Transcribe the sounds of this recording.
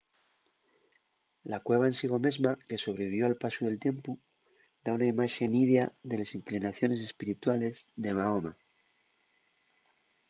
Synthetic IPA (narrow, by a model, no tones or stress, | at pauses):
lakwe̞β̞aensiɣo̞me̞zmake̞so̞β̞ɾeβiβjo̞alpasuðe̞lt̪je̞mpu | d̪aunaimaʃe̞niðjaðe̞lesiŋklinaθjo̞ne̞s̬e̞spiɾit̪wale̞zðe̞maoma